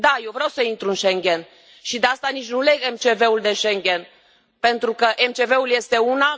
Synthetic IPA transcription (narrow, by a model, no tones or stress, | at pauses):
d̪ajewvɾeawsəint̪ɾuɨnʃeŋɡʲe̞n | ʃid̪east̪anit͡ʃʲnule̞ɡemt͡ʃe̞ve̞uld̪e̞ʃeŋɡʲe̞n | pe̞nt̪ɾukəʔemt͡ʃe̞ve̞ulje̞st̪e̞una